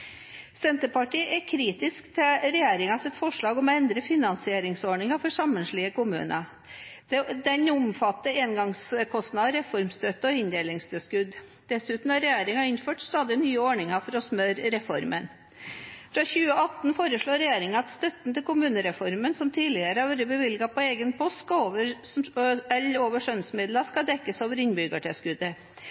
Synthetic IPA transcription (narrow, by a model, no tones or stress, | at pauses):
sɛnt̪əpɑʈiːʔɛkʰɾiːt̪ɪskt̪ʰɪlɾɛjeːɾɪŋɑsɪt̪fɔʂɭɑːɡɔmɔɛnd̪ɾəfɪnɑnsɪeːɾɪŋsoːɳɪŋɑfɔʂɑmːənʂɭɪːəkʊmʉ̰ːnʔə | d̪̥ɛd̪ɛnʊmfɑt̪ːəeːnɡɑŋskʰɔst̪nɑd̪ɾɛfɔɾmst̪œt̪ːəɔɪnd̪eːlɪŋst̪ʰɪskʉd̪ | d̪̥ɛsʉːt̪n̩ɑɾɛjeːɾɪŋɑɪnføːʈst̪ɑːd̪ɪnyːəoːɳɪŋɑfɔɾɔsmøɾɾɛfɔɾmən | fɾɑçʉːəɑt̪nfoːɾəʂɭoːɾɛjeːɾɪŋɑɑt̪st̪œt̪n̩t̪ɪlkʊmʉːnəɾɛfɔɾmənsɔmt̪ʰiːlɪəɾəɑʋæɾəbəʋɪlɡɑpɔeːɡənpʰɔst̪skɑoːʋəɾ | ɛloːʋəʂœnsmɪd̪lɑʂkɑd̪ɛkːəsoːʋəɾɪnbʏɡəʈɛskʉd̪ːə